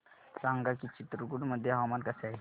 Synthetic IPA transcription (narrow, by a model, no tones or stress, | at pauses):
sãŋɡakit͡ɕit̪ɾukuɽməd̪ʱːjeɦaʋmankəseaɦe